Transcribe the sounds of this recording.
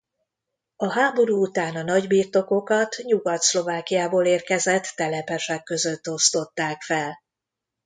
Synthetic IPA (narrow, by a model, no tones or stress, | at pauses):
ɒɦaːbo̞ɾuːut̪aːnɒnɒɟbiːrt̪o̞ko̞kɒt̪ɲuɡɒt̪slo̞vaːkijaːboːleːrkɛzɛt̪ːɛlɛpɛʃɛkːø̞zøt̪ːo̞st̪o̞t̪ːaːkfɛl